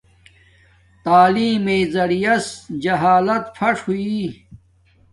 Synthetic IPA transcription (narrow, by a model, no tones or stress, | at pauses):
t̪aːliːmeːzɐɽijɐsd͡ʑɐɦaːlɐt̪fʰɐʂhuiː